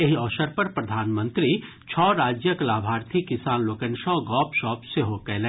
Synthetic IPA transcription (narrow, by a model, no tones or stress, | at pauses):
eɦiɔːʃəɾpɐɾpɾɐd̪ʱaːnmə̃nt̪ɾi | t͡ʃʰɔːɾaːd͡ʒjəklaːbʱaːɾt̪ʰikɪsaːnloːkə̃nʃɔːɡɔːpʃɔːpseɦoːkɛlɛ